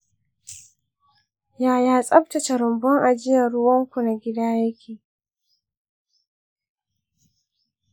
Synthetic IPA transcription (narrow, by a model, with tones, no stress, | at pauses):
jaː˦jaː˦sʼɐ˦bta˨t͡ʃa˨ɾʊ˨mbɔ˦ŋʔa˨d͡ʒɪ˦ja˨ɽʊ˦wɐ˦ŋkʷu˨na˨ɡʲɪ˦daː˦jɐ˦kʲʰeː˨